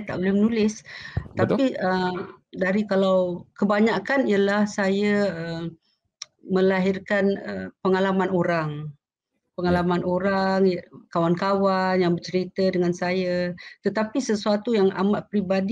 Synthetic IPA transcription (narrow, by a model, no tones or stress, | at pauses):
t̪a̰ʔbolɛhmənũlɪst̪apiədaɾikalawkəbaɲakanijalahsajaəm | mə̃laɦirkanəpəŋalamanoɾaŋ | pəŋalamanoɾaŋjkawankawanjaŋbərt͡ʃəɾit̪ədəŋansajat̪ət̪apisəsuat̪ujaŋa̰maʔpɾibadi